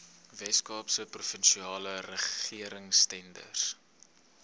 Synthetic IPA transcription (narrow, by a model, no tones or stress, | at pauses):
vɛskɑːpsəprufənʃiɑːlərəχiəɾəŋstɛndə̰r